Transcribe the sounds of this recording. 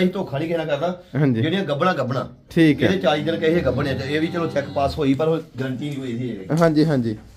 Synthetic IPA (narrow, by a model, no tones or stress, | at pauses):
it̪õːkʰaːniːkɛːnãːkəɾnaːɦãːɲd͡ʒid͡ʒenĩjãːɡəbnãːɡəbna̰ː | ʈʰiːkːɛeːt͡ʃaːɾiːd̪ɪnkɛːɦeːɡəbnãːt͡ʃaeːʋiːt͡ʃəːlõːt͡ʃɛkpaːsɦoːiːpəɾɦoɡəɾənt̪iːiːɦoːiɦiːeeːɦãːɲd͡ʒiːɦãːɲd͡ʒiː